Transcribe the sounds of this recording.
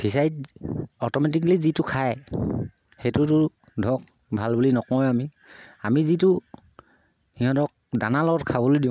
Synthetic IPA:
pisajtɔtɔmɛtik̬lizitʊkʰaj | xejtʊtʊ | dʱɔk̚ | bʱalbulinɔkɔjami | amizitʊ | hiɦɔ̃tɔk̚danalɔɔtkʰabɔlojdiʊ̃

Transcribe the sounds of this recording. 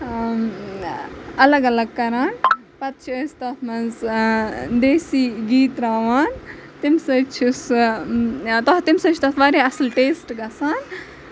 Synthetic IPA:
ɐlɐɡɐlɐɡ̚kɐɾaːn | pɐt̪̚t͡ʃʰiəst̪ɐt̪ʰmɐnz | d̪eːsiːɡiːt̪ɾaːʋaːn | t̪imsɐt͡ʃʰis | t̪ɔt̪imsɐt͡ʃʰt̪ɐt̪ʰʋaːɾeɐslʈeːsʈɡɐsaːn

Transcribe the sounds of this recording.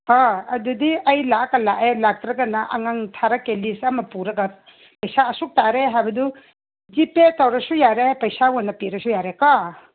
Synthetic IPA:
aɐdudiɐjlakalaʔelak̚tɾɐɡɐnaʔa̰ŋaŋtʰaɾakelisamɐpuɾɐɡa | pɐjsaːsuk̚taɾeɦajbɐdu | zipetawɾɐsujaɾepɐjsawɔnːɐpiɾɐsujaɾeka

